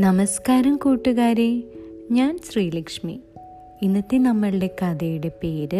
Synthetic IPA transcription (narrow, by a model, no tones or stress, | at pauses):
nɐmɐskaːɾɐmkuːʈːuɣaːɾeːɲaːnɕriːlɐkʂmi | inːɐt̪ːenɐmːɐɭɨɖe̞kɐd̪ɐjuɽe̞peːɾɨ